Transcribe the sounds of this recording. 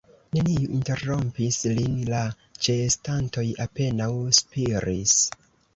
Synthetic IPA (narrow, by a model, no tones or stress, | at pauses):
ne̞nijuʔinte̞ɾo̞mpislinla | t͡ʃe̞stanto̞jape̞nawspiɾis